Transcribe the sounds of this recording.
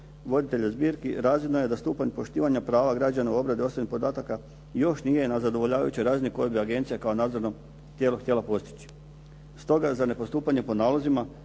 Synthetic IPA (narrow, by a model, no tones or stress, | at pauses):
ʋo̞d̪it̪e̞ʎezbiːɾkiɾaːzlinojed̪ast̪uːpaɲpo̞ʃt̪iːʋaɲapɾaːʋaɡɾad͡ʑanauo̞bɾad̪io̞sʋinipo̞d̪aːt̪aka | jo̞ʃnijenazad̪oʋo̞ʎaːʋa̰jut͡ɕoɾaːzniko̞jobiaɡe̞nt̪sijakao̞naːd̪zoɾno | t̪ʲjeloxt̪ʲje̞lapo̞st̪i̥t͡ɕi̥ | st̪o̞ɡazane̞po̞st̪uːpaɲe̞po̞naːlˠozima